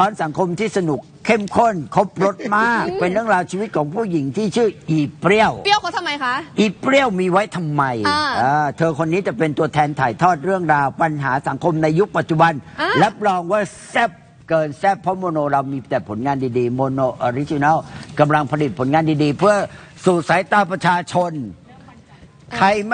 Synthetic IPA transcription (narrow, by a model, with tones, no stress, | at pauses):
t̪ʰɔː˦˥nsa˨˩˦ŋkʰo˧mt̪ʰiː˥˩sa˧nu˨˩kʰːe˥˩mkʰo˥˩nkʰo˦˥p̚ɾo˦˥t̪̚maː˥˩k̚pe˧nɾɯ˥˩əŋɾaː˧wt͡ɕʰiː˧wi˦˥t̪̚kʰɔː˩˦ŋpʰuː˥˩ji˩˦ŋt̪ʰiː˥˩t͡ɕʰɯː˥˩ʔiː˧pɾi˥˩əwm˧jʰa˦˥ʔiː˨˩pɾi˦˥˩əwmiː˧wa˦˥jt̪ʰa˧mːa˧jaː˧˩t̪ʰɤː˧kʰo˧nːiː˦˥t͡ɕa˨˩pe˧nt̪u˧ɐt̪ʰɛː˧nt̪ʰaː˨˩jt̪ʰɔː˥˩t̪̚ɾɯ˥˩əŋɾaː˧wpa˧nɦaː˩˦sa˩˦ŋkʰo˧mna˧jːu˦˥k̚pa˨˩t̪̚t͡ɕu˨˩ba˧nla˦˥p̚lɔː˧ŋwaː˥˩ | sɛ˦˥˩p̚ | kɤː˧nsɛ˦˥˩pʰːɔ˦˥moː˧noː˧ɾa˧wmiː˧t̪ɛː˨˩pʰo˩˦nŋaː˧ndiː˧diː˧moː˧noː˧ʔo˧ɾi˦˥t͡ɕi˧na˥˩ka˧mla˧ŋpʰa˧li˨˩t̪̚pʰo˩˦nŋaː˧ndiː˧diː˧pʰɯ˥˩ɐ | su˨˩t̪̚sa˩˦jt̪aː˧pɾa˧t͡ɕʰaː˧t͡ɕʰo˧n | kʰa˧j